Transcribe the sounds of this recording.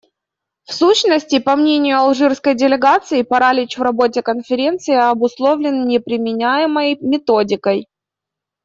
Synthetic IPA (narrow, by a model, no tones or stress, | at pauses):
fsuɕnəsʲtʲɪpɐmnʲenʲɪjʊɐlˠʐɨrskəjdʲɪlʲɪɡat̪sɨɪpɐɾalʲɪt͡ɕvrɐbo̞t̬ʲɪkənfʲɪɾʲe̞nt̪sɨɪɐbʊslˠo̞vlʲɪnnʲɪpɾʲɪmʲɪnʲæjɪməjmʲɪt̪odʲɪkəj